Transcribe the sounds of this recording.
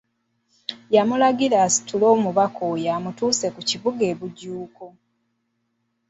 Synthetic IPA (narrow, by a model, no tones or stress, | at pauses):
jamulaɡilasi̥tulo̞ːmuβakʰojamutuːse̞kuciβuɡe̞ːβuɟuːko